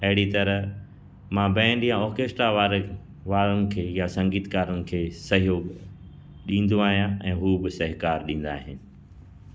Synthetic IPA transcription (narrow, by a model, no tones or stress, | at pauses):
ɐɦɪɽit̪ɐɾəɦ | mãːbɛ̃ɪ̃nlijãɔːɾkeːsʈɾaʋaːɾ | ʋaːɾʊnɪ̆kʰeːjasɐ̃ŋɡiːt̪kaːɾʊnɪ̆kʰeːsɐɦijoːɡ | ɗĩːn̆d̪oaːɦijãɛ̃ːɦuːbɪsɐɦɪkaːɾɗĩːn̆d̪a̰ːɦɪnɪ̆